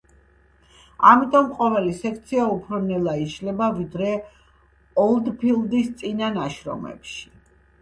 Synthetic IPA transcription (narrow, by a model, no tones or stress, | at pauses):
amit̪ʼɔmqʼɔvɛlisɛk̚ʰt̪sʰiaupʰɾɔnɛlˠaiʃlɛbavid̪ɾɛ | ɔlˠd̪pʰilˠd̪ist̪sʼinanaʃɾɔ̰mɛ̰pʃi̥